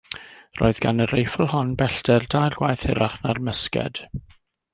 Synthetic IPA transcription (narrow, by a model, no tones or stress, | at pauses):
ro̰ːɨðɡanərejfʊlˠhɔnbɛɬtɛrdajrɡwajθɪɾaχnarməskɛ̰d̥